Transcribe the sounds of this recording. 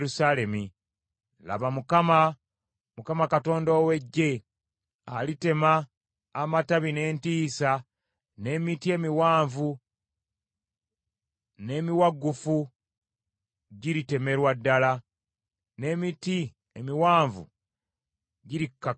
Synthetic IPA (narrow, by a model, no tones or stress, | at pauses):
ɾusale̞mi | la̰βamukama | mukamakato̞ːndoːwe̞ɟːe̞ | alite̞maː | mataβine̞ːntiːsa | ne̞ːmitie̞miwaːɱvu | ne̞ːmiwaɡːufu | ɟiɾite̞me̞ɾwadːala | ne̞ːmiti | emiwaːɱvṵ | ɟiɾikːa